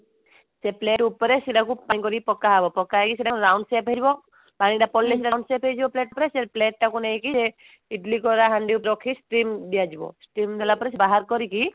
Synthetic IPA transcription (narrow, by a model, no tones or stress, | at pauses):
sepleʈupɔɾesiɖakupanikɔɾipɔkːaɦabɔpɔkaɦekisiɖaɾawɳɖsepɦed͡ʒibɔ | paɽ̃iʈapɔlːesiʈawnsepɦejd͡ʒibɔpleʈupɔɾesepleʈːakunejkise | iʈlikɔɾaɦaɳɖiupɾɔkʰisʈɾimd̪ijad͡ʒibɔ̰sʈɾimd̪ɛlapɔɾes̬ebaɦaɾkɔɾiki